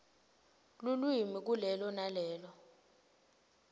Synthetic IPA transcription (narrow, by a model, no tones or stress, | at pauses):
lulwimik̬ulɛlɔnalɛːlɔ